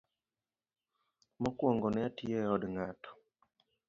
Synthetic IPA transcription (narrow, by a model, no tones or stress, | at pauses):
mɔkwɔŋɡɔnɛatieɔdŋatʰɔ̥